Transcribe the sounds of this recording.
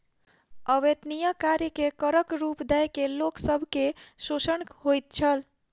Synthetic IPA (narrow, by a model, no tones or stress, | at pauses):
əʋed̪nijəkaɾikekəɾəkɾupd̪ɛjkeloksəbʱkesosənkhojt̪̚t͡ʃʰəl